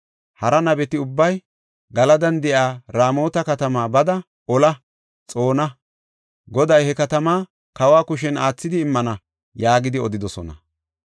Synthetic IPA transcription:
hɐɾɐnɐbɛt̪ɪʊbːɐj | ɡɐlɐd̪ɐnd̪ɛʔaːɾaːmo̞ːt̪ɐkɐt̪ɐmaːbɐd̪ɐ | ɔlɐ | t͡sʼo̞ːnɐ | ɡɔd̪ɐjhɛkɐt̪ɐmaː | kɐwaːkʊʃ̬ɛnaːt͡sːɪd̪ɪːmːɐnɐ | jaːɡɪd̪ɪɔd̪ɪd̪ɔsɔ̰nɐ̰

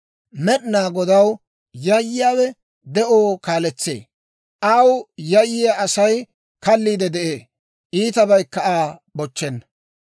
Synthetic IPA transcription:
mɛɗnaːɡɔd̪ɐw | jɐjːɪjaːwɛ | d̪ɛʔoːkaːlɛt͡sːḛː | ʔɐwjɐjːɪjaɐsɐj | kɐlːiːd̪ɛd̪ɛʔeː | ʔiːt̪ɐbɐjkːɐʔaːbɔt͡ʃːɛnː

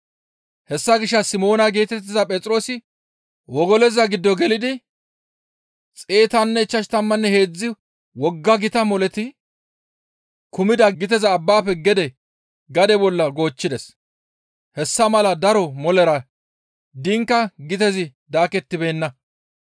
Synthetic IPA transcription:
hɛsːɐɡɪʃːɐsɪmo̞ːnɐɡeːt̪ɛt̪ːɪzɐpʼɛt͡sʼɾo̞ːsɪ | wɔɡɔlɛzɐɡɪd̪ːɔɡɛlɪd̪ɪ | t͡sʼeːt̪ɐnːɛɪt͡ʃːɐʃt̪ɐmːɐnːɛhe̞ːd͡zːɪ | wɔɡːɐɡɪt̪ɐmɔlɛt̪ɪ | kʊmɪd̪ɐɡɪt̪̬ɛzɐːbːaːpɛɡɛd̪ɛ | ɡɐd̪ɛbɔlːɐɡo̞ːt͡ʃːɪd̪ɛs | hɛsːɐmɐlɐd̪ɐɾɔmɔlɛɾɐ | d̪ɪŋkːɐɡɪt̪ɛzɪd̪aːkɛt̪ːɪbe̞ːnːɐ

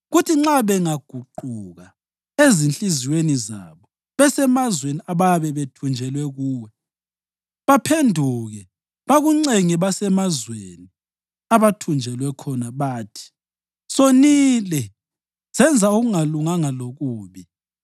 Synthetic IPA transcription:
ɣutʰiŋ͡ǁaβɛŋaɡ̥ʱuǃuɣa | ezint͡ɬʼiziweniza̰βɔ | βɛsɛmazweniaβajβɛβetʰund͡ʒʱɛlwɛɣuːwɛ | βapʰendʱuɣɛ | βaɣuŋ͡ǀeŋiβasɛmazweni | aβatʰund͡ʒʱɛlwɛkʰɔnaβaːtʰi̥ | sonilɛ | z̥ɛnd͡zʱauɣuŋaluŋaŋaloɣuːβi

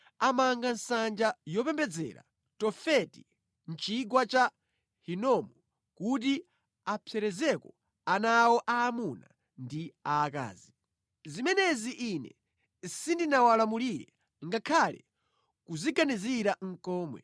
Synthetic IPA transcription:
amaŋɡansand͡ʒajɔpɛmbɛd͡zɛ̰ɾa̰ | tɔfɛti | n̩t͡ʃiɡwat͡ʃa | hinɔmɔ | kut̬i | apʰɛɾɛzɛkɔ | anawɔʔaːmuna | ndiaːka̰ːzi | zimɛnɛziʔːnɛ̰ | sindinawalamuliɾɛ | ŋɡakʰalɛ | kuziɡaniziɾaŋ̩kɔːmwɛ̰

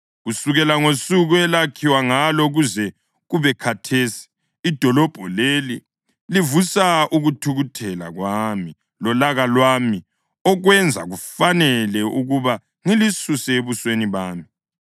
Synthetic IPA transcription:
ɣusuɣɛlaŋosuɣuɛlakʰiwaŋalɔɣuzɛ | ɣuβɛkʰatʰeːsi̥ː | d̥ʱɔlɔb̥ʱɔleli | livusaʔuɣutʰuɣutʰɛla̰ɣwami | lɔlaɣalwami | ɔɣwɛnd͡zʱa̰ɣufanɛlɛʔuɣuβa | ŋilisusɛeβusweniβaːmi

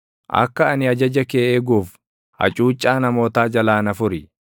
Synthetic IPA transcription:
ʔɐ̰kːɐɐnɪɐd͡ʒɐd͡ʒɐkeːʔeːɡuːf | hɐ̰t͡ʃʼuːt͡ʃʼːaːnɐmo̞ːt̪aːd͡ʒɐlaːnɐfʊɾɪ

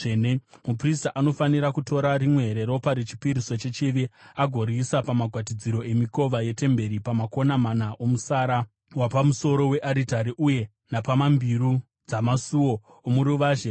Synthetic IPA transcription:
enemupristaʔano̞faniɾakuto̞ɾaɾimwe̞ɦeɾe̞ɾo̞paɾit͡ʃi̥piɾiso̞t͡ʃe̞t͡ʃiʋiaɡʱo̞ɾisapamaɡʱwatid͡ziɾo̞e̞miko̞ʋaje̞te̞mbe̞ɾipamako̞namanaʔo̞musaːɾa | wapamuso̞ɾo̞we̞ʔaɾitaɾiʔuje̞ | napamambiɾu | d͡zamasuwo̞ | omuɾuʋaʒe

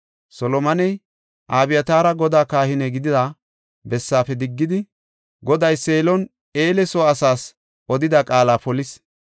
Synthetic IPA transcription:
sɔlɔmɐnɛj | ʔaːbɪjɐt̪aːɾɐɡɔd̪aːkaːhɪnɛɡɪd̪ɪd̪a | bɛsːaːfɛd̪ɪɡːɪd̪ɪ | ɡɔd̪ɐjseːlɔn | eːlɛsoɐsaːs | ʔɔd̪ɪd̪ɐkʼaːlaːpɔlɪs

